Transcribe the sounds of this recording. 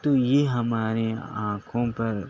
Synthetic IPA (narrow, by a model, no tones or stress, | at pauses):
t̪ojeɦɐmaːɾeãːkʰõpɐɾ